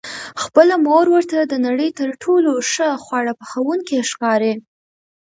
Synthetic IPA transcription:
xpəlamoɾwəɾt̪ad̪ənaɽəjt̪əɾʈʰoloʂəxwaɽapəxawuŋkiʃkɑɾe

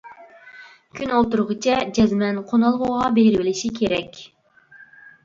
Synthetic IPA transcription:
kʲʰynolˠt̪uɾʁət͡ʃʰɛd͡ʒɛzmɛnqʰonɑlˠʁʊʁɑbejɾvɪlɪʃikʲʰeɾɛkʲ

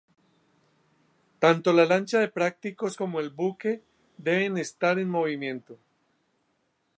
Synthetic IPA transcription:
t̪ant̪o̞lalant͡ʃaðe̞pɾak̚t̪iko̞sko̞mo̞e̞lbuke̞ | ðe̞βe̞ne̞st̪aɾe̞nmo̞β̞imjẽ̞nt̪o

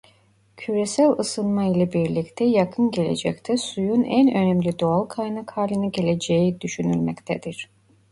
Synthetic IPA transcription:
cʰyɾesælʲɯsɯnˠmailʲˠabiɾlʲict̪ʰɛjakʰɯnɟe̞lʲe̞̰d͡ʒɛ̰ct̪ʰɛsujunʔænø̞nɛmlʲid̪oalˠkʰajnakhaːlʲɯnɯɟe̞lʲe̞d͡ʒejid̪yʃynylʲmɛ̰ct̪ʰɛd̪iɾ̝̥

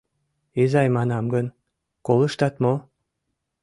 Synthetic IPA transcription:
ezɑjmɑnɑmɡən | kolɤ̆ʃt̪ɑt̪mo

